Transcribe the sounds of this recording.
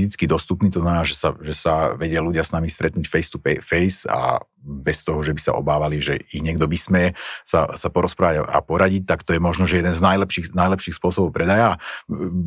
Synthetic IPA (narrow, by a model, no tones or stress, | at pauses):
zit͡skid̪ɔst̪upniːt̪ɔznamɛnaːʒɛsaʒɛsaʋɛɟɪaluɟɪasnamist̪ɾɛt̪nuːcfɛjst̪upɛfɛjsa̰ | bɛst̪ɔɦɔʒɛbisa̰ʔɔ̰baːʋaliʒɛiɣɲɪɛɡd̪ɔbismɛɛsa̰sapɔɾɔspɾaːʋaɟaa̰pɔɾaɟic̚t̪akt̪ɔjɛmɔʒnɔʒɛjɛd̪ɛnznajlɛpʃiːnajlɛpʃiːxspʊɔsɔbɔʊpɾɛd̪ajaː